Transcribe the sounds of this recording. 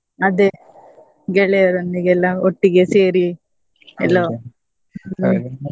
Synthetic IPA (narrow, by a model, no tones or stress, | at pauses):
ɐd̪e | ɡɛɭeɾɐnd̪iɡɛlːaoʈːiɡeseːɾi | ɛlːo